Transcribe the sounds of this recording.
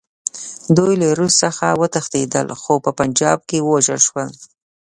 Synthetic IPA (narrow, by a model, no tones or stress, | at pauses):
d̪ujlaɾussəxawət̪axt̪ed̪ə̰lxopəpand͡ʒɑb̚kewəwaʒəlʃwəl